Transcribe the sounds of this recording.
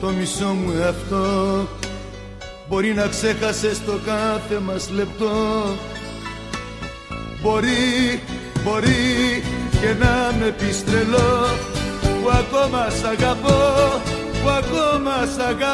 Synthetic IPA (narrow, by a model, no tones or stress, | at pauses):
t̪ɔmisɔmũjapt̪ɔ | bɔɾinaksekasest̪ɔkãt̪emaslep̚t̪ɔ | bɔɾi | bɔɾi | kenamepist̪ɾelɔ | wakɔmasaɡapɔ | wakɔmasaɡa